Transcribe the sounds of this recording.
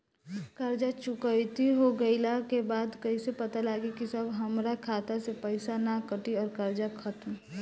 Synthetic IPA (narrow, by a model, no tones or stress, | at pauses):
kəɾd͡ʒat͡ʃʊkəɪt̪iɦoɡəɪlakebaːd̪kɐisepət̪alaːɡikisəbʱɦəmɾakʰaːt̪asepəɪsanakəʈiɔːɾkəɾd͡ʒakʰət̪m